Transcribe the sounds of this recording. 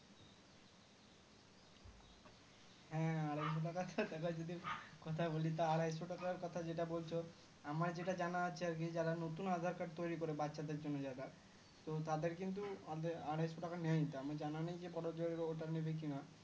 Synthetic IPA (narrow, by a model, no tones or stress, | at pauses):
hɛ̃aɽajs̬oʈ̬akat̪ad̪ɛkad͡ʒod̪iɾkɔt̪ʰabolit̪̬aaɽajsoʈakaɾkɔt̪ʰad͡ʑeʈabolt͡ʃʰɔ | amaɾd͡ʑeʈad͡ʑanat͡ʃʰiaɾked͡ʑaɾanot̪unad̪ʱaɾkaɾt̪ojɾikɔɾebatːʃad̪eɾd͡ʒonːɔd͡ʑad̪aɾ | t̪ot̪ad̪eɾkint̪̬uad̪eaɽajsoʈakanɛjt̪oamad͡ʑananajd͡ʑebɔɽod͡ʒɔoʈanebek̬ina